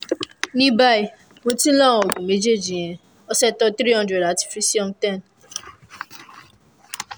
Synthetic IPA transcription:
nĩ˦ba˦˨i˨ | mõ˧tĩ˦lã˦˨wɡũ˨me˨˦d͡ʒe˦˨d͡ʒĩ˨j̃ɛ̃˨ | ɔ˦sɛ˦tɔ˦t̪ɾi˦ɦɔ̃˦ndɾɛ˨da˨ti̥˨fɾi˦si˦ɔ̃˦mtɛ̃˦˨n

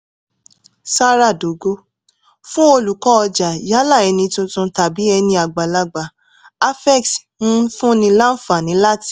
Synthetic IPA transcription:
sa˦ɾa˦˨do˨˦ɡo˦ | fũ˦o˧lu˨kɔ˨˦ɔ˧d͡ʒa˨ja˨˦la˦˨ɛ˨˧nĩ˧tũ˧tũ˧ta˨bi˨˦ɛ˧nĩ˧a˨ɡ͡ba˨la˧ɡ͡ba˨ | a˦fɛ˦˨k̚tũ˦fũ˦nĩ˧la˦n̩˦fa˨nĩ˨˦la˦ti̥˦˨

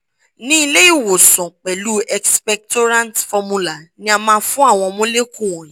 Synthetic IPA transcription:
nĩ˦i˧le˦i˦˨wo˨sɔ̃˨k͡pɛ˨lu˦ɛ˧kspɛ˧k̚to˦ɾã˦ntfɔ˧mũ˦la˨nĩ˦a˧mãː˧˦fũ˦a˦˨w̃ɔ̃˧mõ˦le˦kũ˦˨wɔ̃˨jĩ˨˦

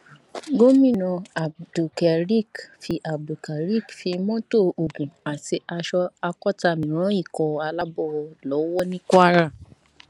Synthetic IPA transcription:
ɡo˦mĩ˦˨nɔ̃˧a˨du˨kɛ˨ɾi˦˨kfi˧ʔa˨bu˨ka˨ɾi˦˨kfi˧mɔ̃˦to˦˨o˨ɡũ˨a˨si˧a˧ʃɔ˧a˧kɔ˦ta˧˨mĩ˨ɾ̃ɔ̃˨˦i˦˨kɔ˨a˧la˦bɔ˦˧lɔ˨˦wɔ˦nĩ˦kɔ˦a˦ɾa˦˨

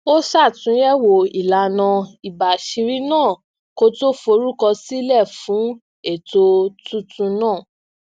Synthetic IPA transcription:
o˦sa˦˨tũ˨˦jɛ˦wo˨i˨la˨nã˧i˨ba˨ʃi˧ɾi˦nãː˦˨ | ko˦to˦fo˧˦ɾu˦kɔ˧si˦lɛ˦˨fũ˨˦ | e˦˨to˧tũ˦tũ˧nãː˦˨

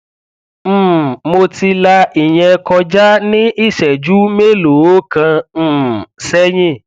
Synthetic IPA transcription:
m̩˦˨mo˧ti˧la˧i˨j̃ɛ̃˧kɔ˧d͡ʒa˦nĩ˦ʔi˦˨ʃɛ˨d͡ʒu˦me˦˨lo˨o˦kã˧˦˨ | sɛ˦j̃ĩ˦˨

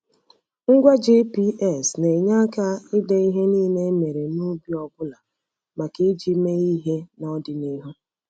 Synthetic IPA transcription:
ŋ̩˦ɡʷa˦d͡ʒe˦pi˦ʔɛ˨sne˨ɲa˦ka˦ɪ˦de˦i˦ɦe˦niː˦ne˦me˨ɾe˨nu˦bi˦ɔ˨ɡʷʊ˦la˨ | ma˨ki˦d͡ʒi˦me˦i˦ɦe˦nɔ˦dɪ˨ni˦ɦʊ˦

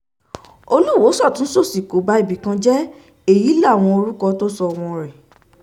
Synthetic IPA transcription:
o˧lu˦˨wo˨˦sɔ˦˨tũ˦so˦˨si˨ko˨˦ba˦i˦˨bi˨˦kã˦d͡ʒɛ˦ | e˦˨ji˨˦la˦˨w̃ɔ̃˧o˧ɾu˦kɔ˧to˦sɔ˧w̃ɔ̃˧ɾɛ˨

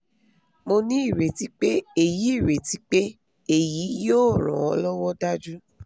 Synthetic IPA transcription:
mo˧nĩ˦i˦˨ɾe˨ti˦k͡pe˦e˦˨ji˨˦i˦˨ɾe˨ti˨˦k͡pe˦ | e˦˨ji˨˦joː˦˨ɾ̃ɔ̰̃˨ɔ˧lɔ˦wɔ˦da˦d͡ʒu˦

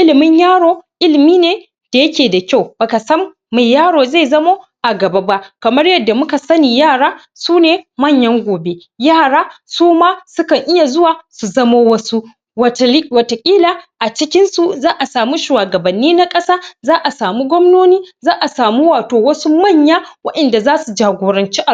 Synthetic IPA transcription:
ʔɪ˦lɪ˨mɪ˦ɲjaː˦ɽoː˦ʔɪ˦lɪ˨miː˦neː˨ | d̥a˨jɐ˦kʲeː˨da˨kʲa˦˨wbɐ˨ka˨sɐ˦mː | a˨jjaː˦ɽoː˨ze˦˨zɐ˦moː˦ʔa˨ɡɐ˨ba˦ba˦ʔkɐ˨mɐ˦rjɐ˨dːa˨mʊ˦ka˨sɐ˦niː˨jaː˦˨ɽaː˦ | suː˦neː˨mɐ˦˨ɲjɐ˦ŋɡʷoː˨be˦ | jaː˦˨ɽaː˦suː˦maː˦sʊ˦kɐ˨ŋʔɪ˦ja˨zʊ˦waː˨su˨zɐ˦mo˦wɐ˦su˦˨˦ | wɐ˨to˨kʲʼiː˦laː˨ʔa˨t͡ʃɪ˦kʲɪ˦nsu˨zaː˦ʔa˨saː˨mu˦ʃuː˨waː˨ɡɐ˨bɐ˨nːiː˦na˦kʼɐ˦saː˦zaː˦ʔa˨saː˨mu˦ɡʷɔ˦mnoː˦niː˦zaː˦ʔa˨saː˨mu˦waː˨toː˨wɐ˦su˦mɐ˦˨ɲjaː˦wɐ˦ɗɐ˨nda˨zaː˦su˨d͡ʒaː˨ɡʷoː˨ɾɐ˨nt͡ʃiː˦ʔa˨

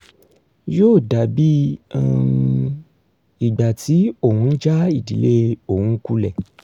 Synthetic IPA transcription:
joː˦˨da˨bi˦a˨˧ | i˨ɡ͡ba˨ti˨˦o˦˨hũ˧n̩˦d͡ʒa˦i˦˨di˨le˦o˦˨hũ˧˦ku˧lɛ˨

